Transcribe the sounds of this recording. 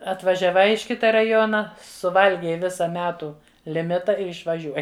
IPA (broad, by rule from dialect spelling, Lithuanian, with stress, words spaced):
ɐtʋɐʒʲɛˈʋɐɪ ɪʃ ˈkʲɪtɐ rɐˈjoːnɐ sʊˈʋɐlʲɡʲɛɪ ˈʋʲɪsɐ ˈmʲæːtuː lʲɪˈmʲɪtɐ ɪr ɪʃʋɐˈʒʲuɔjɪ